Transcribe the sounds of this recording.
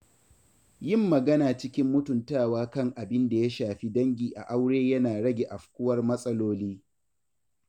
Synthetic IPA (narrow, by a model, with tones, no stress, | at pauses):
jɪ˦˨mːɐ˨ɡɐ˦naː˨t͡ʃɪ˦kʲɪ˦mːʊ˦tʊ˨ntaː˦˨waː˦kɐ˦˨ŋʔa˨bɪ˦nda˨ja˦ʃaː˨ɸi˦dɐ˦ŋɡʲiː˨ʔa̰˨ʔa˦wɽeː˦jɐ˦naː˨ɽɐ˦ɡʲe˨ʔa˨ɸkʷʊ˦wɐ˦rmɐ˦sʼɐ˦loː˦liː˦